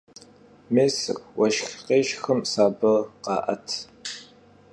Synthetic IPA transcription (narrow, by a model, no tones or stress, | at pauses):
meːsɨ̰kʷwɐʃxqeːʃxɨmsaːbɐqɑ̰ːʔɐ̰tʰ